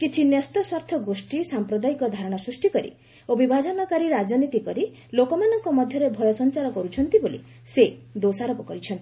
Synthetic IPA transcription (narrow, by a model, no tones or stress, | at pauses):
kit͡ʃʰinjɔst̪ɔswaɾt̪ʰɔɡosʈisampɾɔd̪aikɔd̪ʱaɾɔɽ̃ɔsɾusʈikɔɾḭ | obibʱad͡ʒɔnɔkaɾiɾad͡ʒɔnit̪ikɔɾi | lokɔmanɔŋkɔmɔd̪ʱjɔɾebʱɔjɔsɔnt͡ʃaɾɔkɔɾut͡ʃʰɔnt̪ibolḭ | sed̪osaɾɔpɔkɔɾit͡ʃʰɔnt̪i